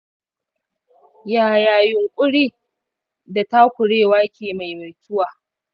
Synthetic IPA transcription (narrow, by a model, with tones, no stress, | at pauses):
jaː˨jaː˨jʊ˨ŋkʷʼʊ˦ɽiː˦ | da˨ta˦kʷʊ˨ɽeː˦˨waː˦kʲʰeː˨ma˨jma˨tʰʊ˦waː˨